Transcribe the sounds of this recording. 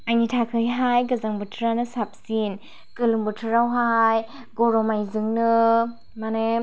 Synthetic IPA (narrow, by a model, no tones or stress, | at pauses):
ajnitʰakʰɯjɦajɡɯzaŋbɯtʰɯɾanɯsap̚sin | kɯluŋbɯtʰɯɾawɦaj | ɡɔɾɔmajzɯŋnɯ | mane